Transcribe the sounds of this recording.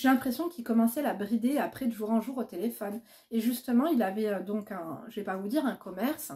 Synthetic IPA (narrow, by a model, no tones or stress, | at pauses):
ʒelɛ̃pχesjɔ̃kʲilkɔmɑ̃sɛabʁid̪eapχɛd̪yʒuʁɛ̃ʒuʁot̪elefɔn | eʒyst̪əmɑ̃ilavɛød̪ɔ̃kɛ̃ʒəvɛpavud̪iʁɛ̃kɔmɛʁs